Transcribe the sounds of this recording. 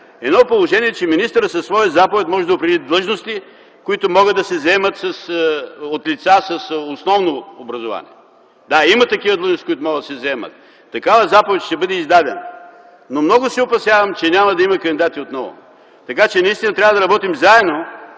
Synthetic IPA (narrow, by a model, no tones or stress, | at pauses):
ɛd̪nɔpolˠoʒɛniɛt͡ʃɛminist̪əɾəsɐsːvɔjəzapovɛt̪mɔʒɛd̪ɐʊpɾɛd̪id̪lˠɤʒnost̪i | kʊit̪ʊmɔɡəd̪ɐsɛzɛmət̪sɐsot̪lit̪sasɐsosnɔvnoːbɾɐzʊva̰nʲḭɛ | d̪aimɐt̪ɐkivəd̪lˠɤʒnosikʊit̪ʊmɔɡəd̪ɐsɛzɐɛmə̰t̪ː | ɐkavəzapovɛt̪ʃt̪ɛbɤd̪ɛizd̪ad̪ɛn | nomnɔɡʊsɛoʊpɐsjavɐmt͡ʃɛnʲamɐd̪ɐimɐkɐnd̪id̪at̪iot̪nɔvʊ̰ | t̪ɐkat͡ʃɛnɐist̪inɐt̪ɾʲavɐd̪ɐɾɐbɔt̪imzaɛd̪no